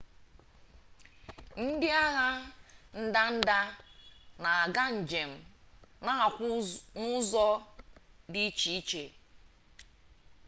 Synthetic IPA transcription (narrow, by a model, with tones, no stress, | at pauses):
n̩˦dɪ˦a˦ɣa˦n̩˦da˦n̩˦da˦ | na˨a˨ɡa˦n̩˨d͡ʒe˨m̩˨na˦˨kʷnʊ˦zɔ˦ | dɪ˦t͡ʃi˨i˦t͡ʃe˨